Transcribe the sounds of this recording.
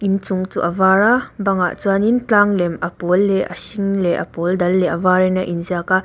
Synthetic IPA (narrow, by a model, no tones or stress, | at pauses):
ʔint͡suŋt͡sṵʔɐvaɾabɐŋa̰ʔt͡suanint͡ɬaːŋlɛmɐpɔlːɛʔɐ̰siŋlɛʔɐ̰pɔldɐlːɛʔɐvaːɾɛnaʔinziaka